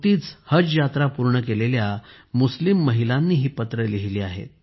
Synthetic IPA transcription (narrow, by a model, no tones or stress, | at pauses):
t̪iːt͡shəd͡zjat̪ɾapuɾɳəkelelja | muslimːəɦilanːiːɦiːpət̪ɾəliɦiliːaɦḛt̪̚